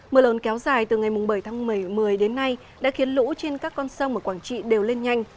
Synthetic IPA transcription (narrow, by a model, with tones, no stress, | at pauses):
məː˧˩lo˨˦nkɛ˨˦wzaː˨˩jt̪ɨ˨˩ŋa˨˩jmʊ˨˩ŋ͡mɓə˧˩jt̪ʰaː˨˦ŋmɨ˧˩jmɨ˨˩əjɗe˨˦nːa˧j | ɗa̰ː˧˥xi˨˦ənlṵ˧˥t͡ɕe˧nkaː˦˥kːɔ˧nsə˧wŋ͡mʔəː˨˧˩kwaː˧˩nt͡ɕḭ˧˨ɗe˨˩wle˧nɲa˧jŋ̟